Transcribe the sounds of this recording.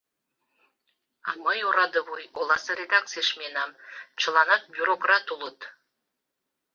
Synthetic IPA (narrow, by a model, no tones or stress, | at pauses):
ɑ̰mɤjuɾɑd̪əβujolˠɑsɤɾʲed̪ak̚t̪t͡sɨjəʃmʲenɑmt͡ɕʰə̆lˠɑnɑt̪̚bʲuɾokrɑt̪ulˠət̪